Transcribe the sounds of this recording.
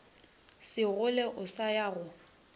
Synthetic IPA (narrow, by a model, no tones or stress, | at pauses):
sɪɣʊlɛʔʊsajaːɣʊ